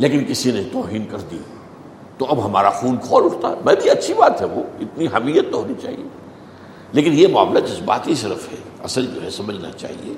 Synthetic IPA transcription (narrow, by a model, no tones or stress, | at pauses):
leːkɪnkɪsinẽt̪ɔːɦiːnkɐɾd̪ia | t̪oɐbɦɐmaːɾaxuːnkʰɔːlʊʈt̪a̰ɛmɛ̃ːbʱiɐtːʃʰibaːt̪ɦɛʋo̰ːɪt̪niɦɐmiːjət̪̚ːɦoːnit͡ʃa̰ːɦḭe | leːkɪnjemaːmlad͡ʒɪsba̰ːt̪ɦisɪɾəfɦɛ̰ | ɐ̰səld͡ʒo̰ːɦɛsɐməd͡ʒna̰t͡ʃa̰ːɦḭeː